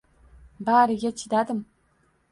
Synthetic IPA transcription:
baːɾɨɡʲɛt͡ʃʰid̪ad̪ɨm

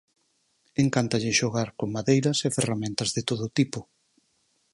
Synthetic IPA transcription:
eŋkant̪ɐʎɪʃoɣaɾkoŋmaðejɾɐseferamɛ̃nt̪ɐzðɪt̪oðoʊːt̪ipʊ

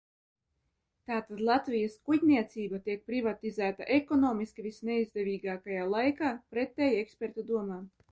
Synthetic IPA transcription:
t̪aːt̪ad̪lˠat̪vijaskuɟʲnʲiɛt̪siːbat̪iɛk̚pɾivat̪izæːt̪aʔɛkɔnɔːmiskivʲisnɛizd̪ɛvʲiːɡaːkajaːlˠajkaːpɾɛt̪ːɛjɛkspʲɛɾt̪ud̪uɔmaː

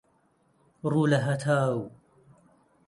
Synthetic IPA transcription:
ɾulaɦat̪ʰaːw

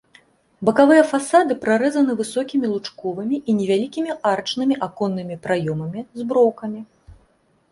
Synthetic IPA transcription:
bɐkavɨjɐfasad̪ɨpɾaɾɛzɐn̪ɨvɨsɔkʲimʲilˠut͡ʂkɔvɨmʲiʔinʲɛvʲalʲikʲimʲiʔart͡ʂnɨmʲiʔakɔnːɨmʲipɾajɔmɐmʲizbɾɔwkɐmʲi

